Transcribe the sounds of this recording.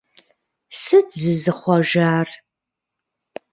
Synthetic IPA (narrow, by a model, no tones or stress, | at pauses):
sɨzɨzɨχʷɔʒaːr